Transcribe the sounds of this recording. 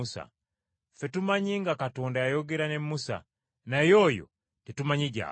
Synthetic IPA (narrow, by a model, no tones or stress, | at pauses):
usa̰ | fetumaɲiŋɡakatoːndajajoɡeɾanemːusa̰ | najojo̰ | titumaɲiɟa̰